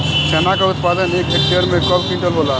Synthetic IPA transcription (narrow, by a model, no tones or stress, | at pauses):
sɛːnakaʊt̪̚paːd̪əneːkek̚ʈeːəɾmẽkɔlkĩːʈəlboːlaː